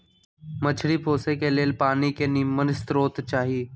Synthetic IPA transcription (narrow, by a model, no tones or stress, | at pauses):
mət͡ʃʰɽipʰoːsekeleːlpaːnikenɪmənst̪ɾoːt̪t͡ʃaːɦieː